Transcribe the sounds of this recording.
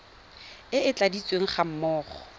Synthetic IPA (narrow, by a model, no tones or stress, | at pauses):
ɪɪt͡ɬʼadit͡sʼweŋ̩χam̩mɔːχɔ